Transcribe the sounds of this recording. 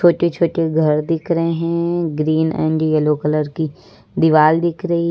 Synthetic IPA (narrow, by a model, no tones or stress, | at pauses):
oːʈet͡ʃʰoːʈeɡʱɐɾd̪ɪkʰɾəɦeɦɛ̃ɡɾiːnɛ̰̃ːɳɖjɛloːkələɾki | d̪ɪʋaːld̪ɪkʰɾəi